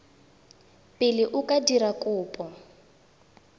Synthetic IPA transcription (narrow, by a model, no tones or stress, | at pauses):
pʼɪlɪʔʊkʼadiɾakʼʊːpʼɔ